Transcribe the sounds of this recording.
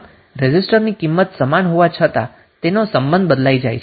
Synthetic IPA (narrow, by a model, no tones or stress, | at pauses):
ɾɛd͡ʒisʈəɾnikimːət̪səmanɦoʋat͡ʃʰət̪a̰ | t̪enosəmbənd̪̚bəd̪laid͡ʒajt͡ʃʰe